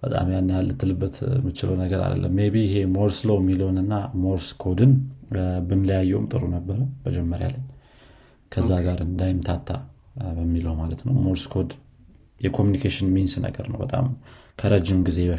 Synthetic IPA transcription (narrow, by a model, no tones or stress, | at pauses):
b̥ət̪ʼa̰mjanːjalːɨt̪ʰːɨlɨbːət̪mːɨt͡ʃɪləwnəɡəɾa̰d̪ə̰lːə̰mːebiɪɦe̞moɾslowjmːiləwnɨnːamoɾskʰod̪ɨn | bɨnləjajːɛwmt̪ʼɨɾunəbːəɾəbəd͡ʒɛmːəɾja̰lːəɲ | kʰəzːaɡaɾɨnd̪ajɪmt̪ʰat̪ʰːa̰ | bəmːiləhmalət̪nəwmoɾskʰo̞d̪ | jɛkʰomjunikʰeʃɪnminsnə̰ɡə̰ɾnə̰wbət̪ʼa̰mkʰəɾʔəd͡ʒːɪmɡize̞bə